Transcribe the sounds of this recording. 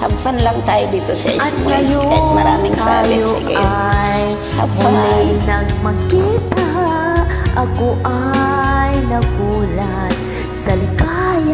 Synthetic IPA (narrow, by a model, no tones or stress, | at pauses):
habfanlɐŋt̪aːjod̪iːt̪osɐ̰ʔɪmajokɐjmɐɾaːmɪŋsa̰ːbɪsɡɛ̰j | ha̰bfannɐɡmɐɡipɦaʔɐkoʔa | jnɐɡuːlɐ | t̪ | sɐlɪkajɐ